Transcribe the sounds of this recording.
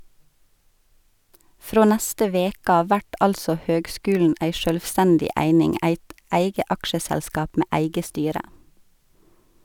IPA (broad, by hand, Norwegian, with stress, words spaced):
ˈfɾoː ˈnæstə ˈʋeːk ˈɑː ˈʋæʈ ˈɑlsɔ ˈhøːɡˌskʉːlɳ̩ ˈʔæɪ ʃœlʋˈstændɪ ˈæɪnɪŋ ˈæɪt ˈʔæɪɡə ˈʔɑkʃəsælˌskɑːp ˈmeː ˈʔæɪɡə ˈstyːɾə